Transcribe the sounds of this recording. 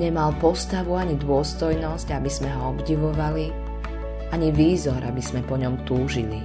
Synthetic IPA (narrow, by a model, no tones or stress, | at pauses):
ɲɛmalpɔst̪aʋuaɲid̪ʊɔst̪ɔjnɔscabizmɛɦɔɔbɟiʋɔʋali | aɲiʋiːzɔɾʔabiz̥mɛpɔɲɔmt̪uːʒili